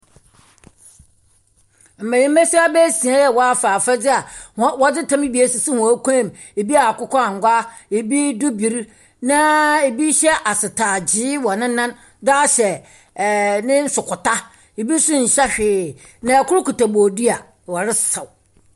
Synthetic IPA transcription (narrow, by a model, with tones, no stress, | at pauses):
m̩˨mã˨ji˦m̩˦ɛ˦si˦a˦bɛ˦sĩ˨ã˦jɛ˨wɔ˦a˦faː˨fa˦d͡zɪ˦a˨hwɔ˦d͡zɪ˦tʰã˦mɪ̃˦bi˨e˦si˨si˦hɔ̃˨˦kʷã˦˨m | e˨bi˦a˨kʊ˦kɔ˦a˨ŋ̩˨ɡʷa˦e˨bi˦dʊ˦bi˨ɾ | nã˦e˨bi˦ɕɛ˦ʔa˨sɪ˨tʰaː˨d͡ʑɪ˦wɔ˨nɪ̃˦nːã˦n | da˦ɕɛ˨ | nɪ̃˦n̩˦sʊ˨kʰʊ˨ta˦ | e˨bi˦sʊ̃˦n̩˨ɕɛ˦ɕᶣɪː˨ | nã˨kʊ˦ɾʊ˦ku˨ta˨boː˨di˦a˨ | wɔ˨ɾɪ˦ssa˨w